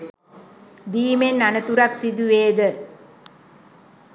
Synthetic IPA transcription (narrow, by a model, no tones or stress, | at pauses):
d̪iːmenːanət̪uɾɐksid̪uʋeːd̪ə